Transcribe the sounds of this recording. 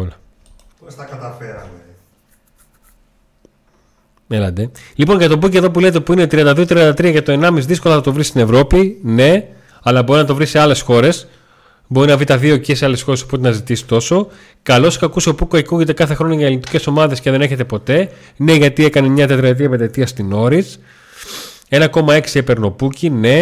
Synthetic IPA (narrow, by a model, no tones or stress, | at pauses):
olɐ | sɐkɐt̪ɐɐ | elɐd̪e | lipo̞nʝɐt̪o̞buceðo̞p̬ule̞t̪̬epuinet̪ɾiɐnd̪ɐðio̞t̪ɾiɐnd̪ɐt̪ɾiɐʝɐt̪o̞e̞nɐmizðisko̞lɐθɐt̪o̞vɾist̪ine̞vɾo̞pine̞ | ɐlɐbo̞ɾinɐt̪̬o̞vɾise̞ɐle̞sxo̞ɾe̞s | bo̞ɾinɐvɾit̪ɐðio̞cieseɐle̞sxo̞ɾesopot̪enɐzit̪isi̥t̪o̞so̞ | kɐlo̞skɐkuso̞pukoekuʝet̪e̞kɐθe̞xɾo̞noʝɐelinit̪i̥ce̞so̞mɐðe̞sce̞ðe̞ne̞çe̞t̪e̞po̞t̪e̞ | ne̞ʝɐt̪ie̞kɐnemɲɐt̪et̪ɾɾɐt̪ɾiɐpend̪et̪iɐst̪ino̞ɾis | e̞nɐko̞mɐe̞ksiepe̞ɾno̞pucine̞